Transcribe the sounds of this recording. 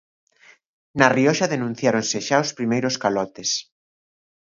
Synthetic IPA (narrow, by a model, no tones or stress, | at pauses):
nɐriɔʃaðenũn̟θjaɾonseʃaospɾimejɾoskalɔt̪es